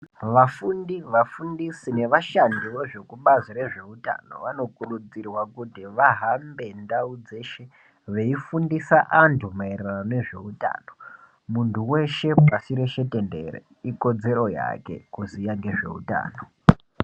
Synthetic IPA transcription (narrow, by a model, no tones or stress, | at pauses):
ʋafundiʋafundisine̞ʋaʃandiʋo̞ʐe̞kuɓazire̞ʐe̞uta̰no̞̰ʋano̞kurud͡zirwakutiʋaɦambe̞ndaud͡ze̞ʃe | ʋe̞ifundisaʔantʰumairanane̞ʐe̞̰uta̰ːno̞ | muntʰuwe̞ʃe̞pasiɾe̞ʃe̞te̞nde̞̰ɾḛ | iko̞d͡ze̞ɾo̞ja̰ke̞̰kuzijaŋɡe̞ʐe̞̰ṵta̰ːno̞